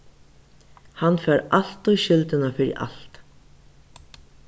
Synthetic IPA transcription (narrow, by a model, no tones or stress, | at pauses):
hanːfɛːɾal̥t̪ujɕʏlt̪ɪnafɪɾɪ̰ʔa̰l̥t̪